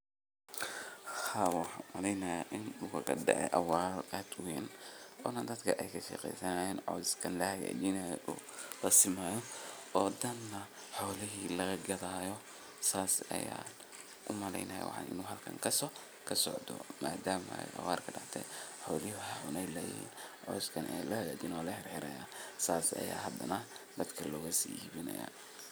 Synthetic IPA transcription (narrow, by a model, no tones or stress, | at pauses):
hhawaːħaːmɐlɛjnɐjaʔɪnukʰɐɣɐdɛ̰ʕɛ̰ʔɐwaːraːd̪ʊwɛːnʔɔːnɐd̪ɐd̪kʰɐʔɛjkʰɐʃɛ̰ːqɛ̰jsɐnaːjɛːnʕɔːdskʰɐnlɐhaja̰ːd͡ʒinajɔ̰ʔṵː | lɐsɪmaːjɔɔːd̪ɐnːɐ | ħɔːlɪɦiːlɐɣɐɡɐðaːjɔ | saːsɐ̰ja̰ːn | ʊmɐlɛjnɐjɔ̰wɑ̰ħɑ̰nɪ̰nuːɦɐlkʰɐ̰ŋkʰɐsɔ | kʰɐsɔ̰ʕd̪ɔ̰maːd̪aːmɐ̰jʔɐ̰waːrkʰɐɖɑʕt̪ʰɛ̰jħɔːlɪɦʊɦaʕʊnɛjlɐjɪ̰hḭːnʕɔskʰɐnʔɛjlɐhɐjaːd͡ʒɪnɔːlɐhɛrhɪɾɐjaːsaːsɐ̰ja̰ːɦɐd̪ɐnɐd̪ɐd̪kʰɐlɔːɣɐsiiːβɪnɐ̰ja̰ː